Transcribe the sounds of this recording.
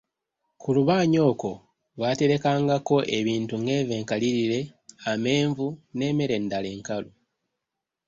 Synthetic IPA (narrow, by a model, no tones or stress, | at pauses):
kuluβaːɲo̞ːko̞ | βate̞ɾe̞kaːŋɡako̞ʔe̞βiːntuŋɡe̞ːve̞ːŋkaliɾiɾe̞ame̞ːɱvune̞ːme̞ɾe̞ndale̞ːŋkalo